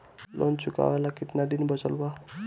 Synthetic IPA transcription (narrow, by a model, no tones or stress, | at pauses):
lʔɔnt͡ʃuka̰walakit̪nad̪inbʌt͡ʃəlba